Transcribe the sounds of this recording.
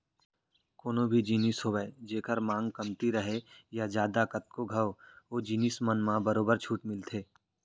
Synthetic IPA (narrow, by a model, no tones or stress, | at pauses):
koːnõbʱid͡ʒiːnisɦoːbɛed͡ʒeːkəɾmãːŋɡkɐmt̪iɾɐɦejad͡ʒjaːd̪akɐt̪̚koɡʱɐʋoːd͡ʒiːnismənmãbɐɾoːbəɾt͡ʃʰuːʈmɪlt̪ʰeː